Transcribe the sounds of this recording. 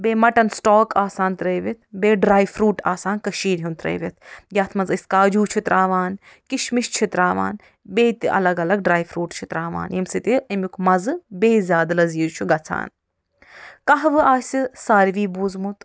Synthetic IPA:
beːmɐʈɐnsʈoːkaːsaːnt̪ɾɐːʋit̪ʰbeːɖɾaːjfʰɾuːʈaːsaːnkɐʃiːɾɦjunt̪ɾɐ̰ːʋit̪ʰjaːt̪ʰmɐnziskaːd͡ʒuːt͡ʃʰut̪ɾʔaːʋaːn | kiʃmiʃt͡ʃʰit̪ɾaːʋa̰ːn | beːt̪ɐ̰lɐɡɐlɐɡ̚ɖɾaːjfʰɾuːʈt͡ʃʰit̪ɾaːʋa̰ːnjimsɨt̪iɐmʲukmɐzɨbeːzʲjaːd̪lɐziːɾt͡ʃʰuɡɐt͡sʰa̰ːn | kɐɦʋɨaːsʲisaːɾʋiːbuːzmut̪

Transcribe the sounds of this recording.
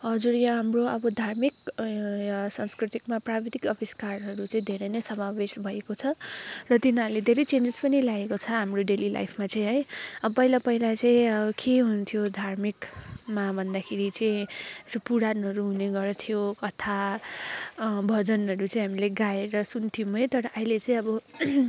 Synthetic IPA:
ɦʌd͡zuɾjaɦamroʌbʌd̪ʱarmikjsaŋskrit̪ikmaprabet̪ikʌbiskarɦʌɾut͡saĩd̪ʱeɾʌjnʌjsʌmabesbʱʌekot͡sʰʌrʌt̪inaled̪ʱeɾʌjt͡send͡zespʌnilaɡekot͡sʰʌɦamroɖelilʔa̰jpʰmat͡saĩɦʌjʌpʌilapʌilat͡saĩʌbʌkʰeɦununt̪ʰijod̪ʱarmikmabʱʌnd̪akʰeɾit͡saĩesopuɽanʌɾuɦuneɡʌɾt̪ʰijokʌt̪ʰa | bʱʌd͡zʌnɦʌɾut͡saĩɦamileɡaeɾʌsunt̪ʰijmɦʌjt̪ʌɾʌʔailet͡saĩʌbʌ

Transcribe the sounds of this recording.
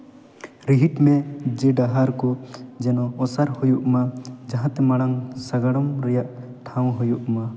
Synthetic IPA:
ɾiɦiʈmɛd͡ʒɛɖaɦaɾkɔd͡ʒɛnɔɔsaɾhujuʔmad͡ʒãɦãt̪ɛmaɽ̃aŋsaɡaɽɔmɾɛjaʔ | ʈʰaw̃ɦujuʔma

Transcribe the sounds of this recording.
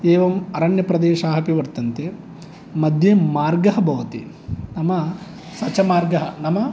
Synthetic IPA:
eːʋɐmɐɾɐɳjɐpɾɐd̪eːʃaːɦɐpiʋɐɾt̪ɐnt̪e | mɐd̪ʱjemaːɾɡɐɦɐbʱɐʋɐt̪ḭ | nɐmɐ | sɐt͡ʃːɐmaːɾɡɐɦɐnɐmɐ

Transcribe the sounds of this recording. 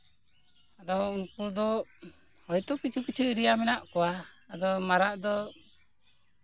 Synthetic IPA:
ad̪ɔunkuɾd̪ɔ | hɔjt̪ɔkit͡ʃʰukit͡ʃʰuɾijamɛnaʔkɔwaːd̪ɔmaɾaʔd̪ɔ

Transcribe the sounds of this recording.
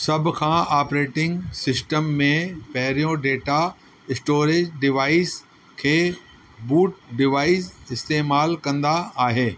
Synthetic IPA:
sɐb̆ʱkʰãːaːpɾeːʈɪ̃ŋɡsɪsʈəmːẽpɐɦɪɾijõɖeːʈa | ɪsʈoːɾeːd͡ʑɖɪʋaːɪs | kʰeː | buːʈ̚ɖɪʋaːɪzɪst̪eːmaːlkɐ̃nd̪aːɦeː

